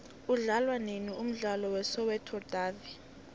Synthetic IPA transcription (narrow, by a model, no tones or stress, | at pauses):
uɮalwanenium̩ɮalɔwɛsɔwɛtʰɔd̥ʱaːvi